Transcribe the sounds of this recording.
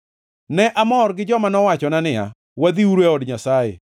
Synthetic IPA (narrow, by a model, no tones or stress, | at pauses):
nɛʔamɔrɡɪd͡ʒɔmanɔwat͡ʃɔnanɪa̰ | wad̪iuɾweɔdɲasajḛ